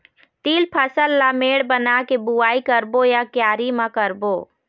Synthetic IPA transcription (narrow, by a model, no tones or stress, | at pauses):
t̪iːlpʰəsəlːameːɽbənakebuaːikəɾbojakjaːɾimãkəɾboː